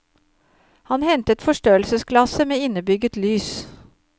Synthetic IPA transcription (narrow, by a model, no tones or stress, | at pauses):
hɑnhɛnt̪ət̪fɔʂʈøːəlsəskʰlɑsəmeːɪnəbʏɡət̪lyːs